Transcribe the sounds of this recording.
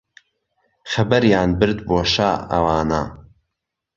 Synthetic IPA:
xɐbɐɾjaːnbɨɾd̪boːʃa̰ːɐ̰waːna̰ː

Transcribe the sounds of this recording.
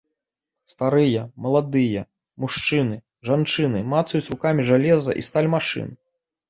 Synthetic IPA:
st̪aɾɨjɐmɐlˠad̪ɨjɐ | muʂt͡ʂɨnɨ | ʐant͡ʂɨnɨmat̪sɐjusʲɾukamʲiʐalʲɛzɐ̰ʔist̪alʲmaʂɨ̰n

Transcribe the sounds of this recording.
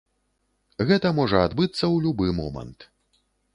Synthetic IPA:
ɣɛt̪ɐmɔʐɐad̪bɨt̪sːɐwlʲubɨmɔ̰mɐ̰nt̪

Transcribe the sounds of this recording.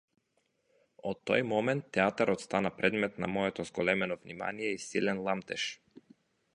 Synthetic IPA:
ɔt̪ːɔjmɔmɛnt̪ːɛat̪aɾɔt̪st̪anapɾɛd̪mɛt̪na̰mɔɛt̪ɔzɡɔlɛmɛnɔvnima̰nijɛisilɛnlˠamt̪ɛʃ

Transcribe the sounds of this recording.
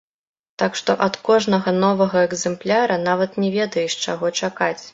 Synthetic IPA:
t̪akʂt̪ɔʔɐt̪kɔʐnɐɣɐnɔvɐɣɐɛɡzɛmplʲaɾɐnavɐt̪nʲɛvʲɛd̪ɐjɛʂt͡ʂaɣɔt͡ʂakat͡sʲ

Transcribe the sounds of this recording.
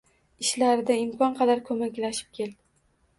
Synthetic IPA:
ɪʃlaɾɪd̪aɪmkɒnqʰɑd̪aɾkʰɵmakʲlaʃɪ̥p̚kʲʰe̞ld̪ɪ

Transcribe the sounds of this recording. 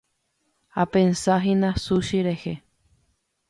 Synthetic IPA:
apẽnsaɦĩnãsuʃiɾehe

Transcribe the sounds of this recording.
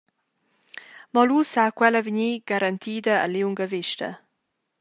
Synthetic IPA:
mɔlusakwɛləviɲiːɡ̥aɾant̪ʰiːd̪əə̰liwŋɡəviʃtɐ̰

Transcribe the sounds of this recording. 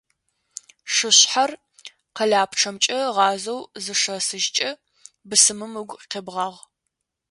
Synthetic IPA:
ʂɨɕħar | qɐɮaːpʰʈ͡ʂʰɐmt͡ʃʼɐʁɑːzɐwzɨʂɐsɨʒt͡ʃʼɐ | bɨsɨmɨmɨɡʷqʰebʁɑːʁ

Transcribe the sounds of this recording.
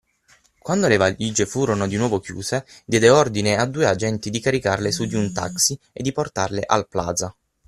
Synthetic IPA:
kwand̪olevalːid͡ʒefuːɾonod̪inwɔːvokjṵːzed̪jɛːd̪eɔrd̪inead̪ːuːead͡ʒɛnt̪id̪ikaɾikarlesud̪iunt̪a̰ksi | ḛd̪ːiport̪arlḛʔa̰lpla̰ːd̪za

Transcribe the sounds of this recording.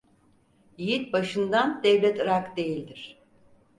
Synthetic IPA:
jijit̪̚baʃɯnd̪and̪ɛvlʲɛt̪ɯɾakd̪e̞jilʲd̪iɾ̝̥

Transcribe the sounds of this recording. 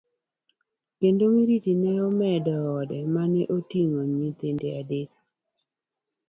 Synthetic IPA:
kendomiɾitinɛɔmɛdɔɔdɛmanɛʔotiŋoɲit̪endeadet̪̚

